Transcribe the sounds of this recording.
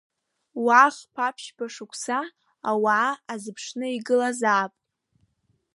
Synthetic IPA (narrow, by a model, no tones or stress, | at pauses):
waːχʲpʰapʰʃbʰaʂɨkʷʰsaː | waːazɨpʰʂnɨiɡɨlazaːpʼ